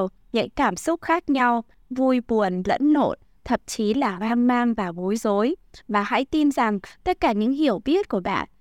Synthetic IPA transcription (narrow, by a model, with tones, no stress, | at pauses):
w | ɲa̰˧˥jkaː˧˩msʊ˦˥k͡p̚xaː˦˥k̚ɲa˧w | vu˧jɓu˨˩ənlə̰˧˥nːo̰˧˩t̚ | t̪ʰə̰˨˧˩m̚t͡ɕi˨˦laː˨˩ɓaː˧nmaː˧ŋvaː˨˩vo˨˦jzo˨˦jvaː˨˩ha̰˧˥jt̪i˧nza˨˩ŋt̪ə˦˥t̚kaː˧˩ɲɨ̰˧˥ŋɦi˨˧˩əwɓi˦˥ət̚ku˧˩əɓa̰ː˧˨n